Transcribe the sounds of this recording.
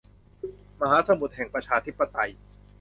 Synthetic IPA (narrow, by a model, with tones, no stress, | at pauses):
ma˧ɦaː˨˦sa˧mu˨˩t̪̚hɛ˨˩ŋpɾa˧t͡ɕʰaː˧t̪ʰi˦˥pːa˧t̪a˧j